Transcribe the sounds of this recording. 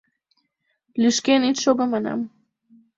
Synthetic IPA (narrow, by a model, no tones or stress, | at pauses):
liʃkenit̪ʃobamana̰m